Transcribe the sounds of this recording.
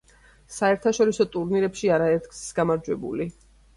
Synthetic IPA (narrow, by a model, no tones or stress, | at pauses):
saɛɾt̪ʰaʃɔɾisɔt̪ʼuɾniɾɛpʃiaɾaɛt̪ɡssɡamaɾd͡ʒwɛbṵli